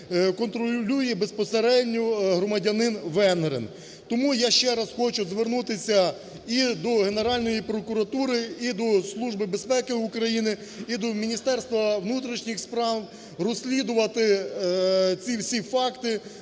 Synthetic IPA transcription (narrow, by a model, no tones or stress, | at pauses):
kɔnt̪ɾɔlʲujɛbe̞spɔseɾɛdʲnʲɔɦɾɔmɐdʲɐnɪnʋɛnɦɾḛn | t̪ɔmujaʃt͡ʃɛɾɐsxɔt͡ʃʊzʋernut̪ɪsʲɐ | id̪ɔɦene̞ɾɑlʲnɔjipɾɔkʊɾɐt̪uɾɪid̪ɔslˠuʒbɪbespɛkɪukɾɐjinɪ | id̪ɔmʲinʲist̪ɛrst̪ʋɐʋnut̪̬ɾʲiʃnʲixspɾɑw | rɔsʲlʲid̪ʊʋɐt̪ɪ | t͡sʲiwsʲifɑkt̪ɪ